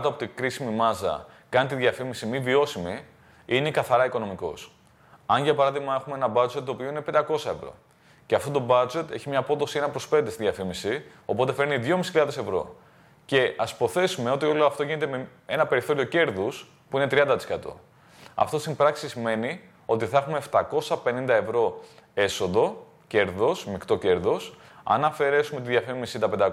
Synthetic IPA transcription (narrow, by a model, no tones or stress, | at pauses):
t̪oɐpot̪ikɾisimimɐzɐ̰kɐnit̪iðʝɐfimisimivio̞simi | ine̞kɐθɐɾɐiko̞no̞miko̞̰s | ɐnʝɐpɐɾɐðiɣmɐexumeenɐbɐd͡ʒet̪t̪ːoːpioine̞pend̪ɐko̞sɐe̞vɾo̞̰ | ceɐft̪ot̪o̞bɐd͡ʒe̞t̪eçimɲɐpo̞t̪osienɐpɾo̞spe̞nd̪est̪iðjɐfimisi | o̞po̞t̪efe̞ɾniðʝo̞misçiʎɐðe̞se̞vɾo̞̰ | ce̞ʔɐspo̞θe̞sume̞o̞t̪io̞leoɐft̪o̞ʝinet̪emee̞nɐpe̞ɾiθo̞ɾio̞ce̞ɾðus | puine̞t̪ɾiɐnd̪ɐt̪iskɐt̪o̞̰ | ɐ̰ft̪o̞st̪imbɾɐksisime̞ni | o̞t̪iθɐexume̞ːft̪ɐko̞sɐpe̞nind̪ɐevɾo̞e̞so̞ðo̞ | ce̞ɾðo̞smikt̪o̞ce̞ɾðos | ɐ̰nɐfe̞ɾe̞sumet̪iðʝɐfimisit̪ɐpe̞nd̪ɐ